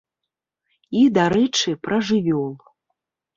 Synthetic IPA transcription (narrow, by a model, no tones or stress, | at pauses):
id̪aɾɛt͡ʂɨpɾɐʐɨvʲɔlˠ